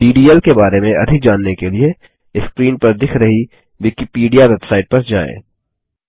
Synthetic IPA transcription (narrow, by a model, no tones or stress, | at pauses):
ɖiːɖiːəlkebaːɾemẽɐ̰d̪ʱɪk̚d͡ʒaːnːekelie | ɪskɾiːnpɐɾd̪ɪkʰɾɐɦi | ʋɪkipiːɖijaʋebsaːɪʈ̚pɐɾd͡ʒa̰ːḛ̃ː